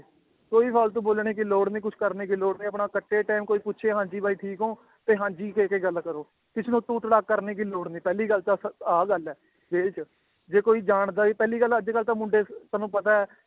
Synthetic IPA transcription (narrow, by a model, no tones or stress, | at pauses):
koːiːpʰaːlt̪̬ũːboːlɳeːk̬ɪloːɽnĩːk̬ʊt͡ʃʰkəɾneːk̬ɪloːɽnẽːəpɳaːkəʈːeːʈaːmkoːiːpʊtːʃʰeːɦãːɲd͡ʒiːbaːiːʈʰiːkɦõː | t̪eːɦãːɲd͡ʒiːkeːkeːɡəlkəɾoː | k̪ɪsʰnũːt̪ũːʈɽaːkkːəɾneːk̬ɪloːɽniːpɛːliːɡəlt̪aːəaːɡəlɛː | ʋeːlt͡ʃ | d͡ʒeːkoːiːd͡ʒaːɳd̪aːiːpɛːliːɡələd͡ʒkəlt̪ãːmʊ̃ɳɖeːt̪aːnũːpət̪aːɛː